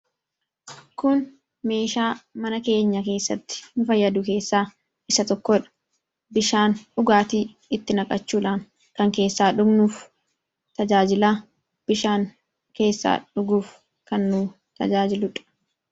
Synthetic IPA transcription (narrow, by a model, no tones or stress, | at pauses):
kʊn | me̞ːʃaːmɐnɐke̞ːɲːɐke̞ːsːɐt̪ːɪ̥nʊfɐjːɐd̪ʊke̞ːsːaː | ʔɪsɐt̪ɔkːɔᶑɐ̥ | bɪʃaːnᶑʊɡaːt̪iː | ɪt̪ːɪnɐkʼɐt͡ʃːuːᶑaːŋ | kɐŋke̞ːsːaːᶑʊɡnuːf | t̪ɐd͡ʒaːd͡ʒɪla | b̥ɪʃaːŋ | ke̞ːsːa̰ːᶑʊɡuːf | kɐnːuː | t̪ɐ̰d͡ʒaːd͡ʒɪlʊᶑɐ̥